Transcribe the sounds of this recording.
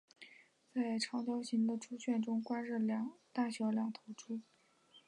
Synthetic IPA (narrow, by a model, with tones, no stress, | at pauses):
t͡sa˥˩ɪʈ͡ʂʰɑ˧˥ŋt͡ɕjɑ˥ʊɕi˧˥ŋd̪ə˧ʈ͡ʂʰu˥ɕɥɛ˥˩nʈ͡ʂʊ˥ŋkwa˥nɻɤ˥˩lɑ˨˩˥ŋt̪a˥˩ɕɥɑ˧˥ʊljɑ˨˥ŋt̪ʰo˧˥ʊʈ͡ʂʰu˥